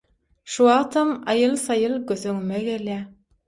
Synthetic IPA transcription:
ʃuɑːt̪ʰɑmɑjɯlˠsɑjɯlˠɡøθøŋymeɡeljæ

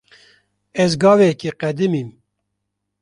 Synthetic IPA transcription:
ɛzɡɑːvɛɛkiqɛd̪ɨmiːm

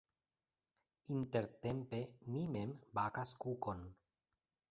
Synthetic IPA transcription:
int̪e̞ɾt̪empemimembakaskukon

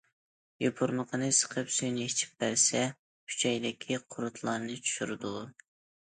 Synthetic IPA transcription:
jopʰuɾməqʰənɨsə̥qʰəpsyjnɪit͡ʃʰi̥p̚bæɾsɛ | kʰy̥t͡ʃʰɛjd̪ɪkʲʰiqʰʊɾut̪ʰlˠɑɾnɨt͡ʃʰy̥ʃyɾɨd̪u

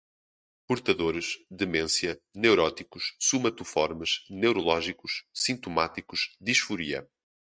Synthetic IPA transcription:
puɾt̪ɐðoɾɨʃðɨmẽsjɐnewɾɔt̪ikuʃsumɐt̪ufɔɾmɨʃnewɾulˠɔʒikuʃsĩnt̪umat̪ikuʃd̪iʃfuɾiɐ̰

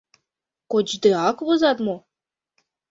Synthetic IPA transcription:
kod͡ʑd̪eɑkβɤzɑt̪mo

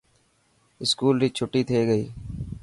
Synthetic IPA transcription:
ɪskuːlɾiːt͡ʃʰʊʈːiːt̪ʰeːɡəiː

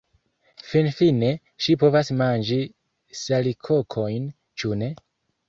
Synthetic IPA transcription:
finfine̞ | ʃipo̞vasmand͡ʒi | salikʰokʰo̞jn | t͡ʃune̞

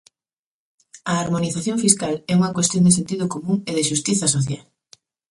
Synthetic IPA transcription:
ɐːɾmoniθaθjoɱfiskalɛuŋɐkwest̪jõnd̪es̬ent̪iðʊkomũŋeðɪʃust̪iθɐs̬oθjal

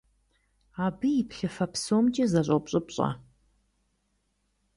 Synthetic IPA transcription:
aːbɨjɪpʰɬɐfɐpsoːmt͡ʃʼɐzɐɕʼopɕʼɨpɕʼɐ̰

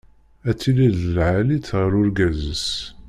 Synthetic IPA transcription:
æt͡sːiliðəlʕalit͡sːʁəɾʊɾɡæzəs

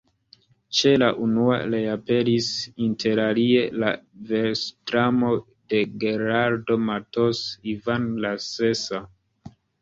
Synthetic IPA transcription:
t͡ʃe̞laʔunua̰ɾeape̞ɾisintʰe̞ɾalie̞lave̞ɾstɾamo̞ | de̞ɡeɾaɾdo̞matosivanlase̞sa

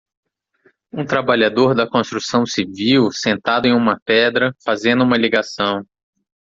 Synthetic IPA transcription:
ũt̪ɾabaʎad̪oɾd̪ɐkõst̪ɾusɐ̃w̃siviwsẽnt̪ad̪ʊẽj̃ũmɐpɛd̪ɾɐfazẽnd̪ʊũmɐliɡasɐ̃w̃

